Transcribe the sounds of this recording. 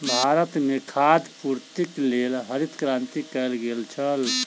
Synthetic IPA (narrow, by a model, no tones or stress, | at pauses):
bʱaːɾət̪mekʰaːd̪puɾt̪iklelɦəɾit̪kɾãːnt̪ikɛlɡelt͡ʃʰəl